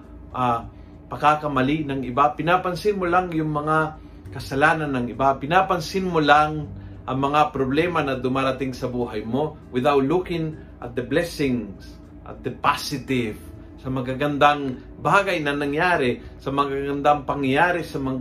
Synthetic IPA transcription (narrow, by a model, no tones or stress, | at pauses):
ʔa | pɐkakɐmɐlinɐŋʔɪbapɪnapɐnsɪnmolaŋjʊŋmɐŋa | kɐsɐlaːnɐnːɐŋɪbapɪnaːpɐnsɪnmolaŋ | ʔɐŋmɐŋapɾoblɛːmɐnɐd̪ʊmaːɾɐt̪ɪŋsɐbuːɦɐjmo̞ | wɪðawt̪lukɪŋ | ʔɐ̰t̪̚d̪ɐblɛsɪŋs | ʔɐ̰t̪̚d̪ɐpasɪt̪ɪv | sɐmɐɡaɡɐnd̪aŋ | baːɡɐjnɐnɐŋjaːɾɛsɐmɐɡaɡɐnd̪aŋpɐŋjɐjaːɾɛsɐmɐ